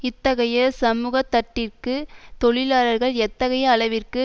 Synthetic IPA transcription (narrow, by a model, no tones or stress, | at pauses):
ɪt̪ːɐɣɐjɐsɐmuːɣɐt̪ːɐʈːɪrkɯt̪ɔɭɪlaːlɐɾɣɐɭɛt̪ːɐɣɐjɐːɭɐʋɪrkɯ